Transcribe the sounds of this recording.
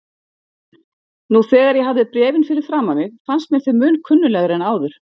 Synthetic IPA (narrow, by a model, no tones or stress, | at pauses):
nuθɛːɣaɾjɛɦavðɪpɾɛːvɪnfɪɾɪɾ̥fɾaːmanɪðfanst̪mɛnθɪmʏːnkʰʏnːʏlɛɣɾɛnaːwðʏɾ̥